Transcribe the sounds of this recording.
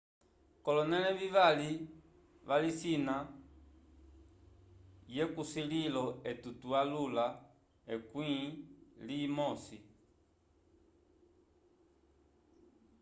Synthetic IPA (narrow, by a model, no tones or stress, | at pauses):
kɔlɔnɛlɛβiβali | βalisina | jɛkusililɔɛtutualula | ɛkwĩliːmɔsi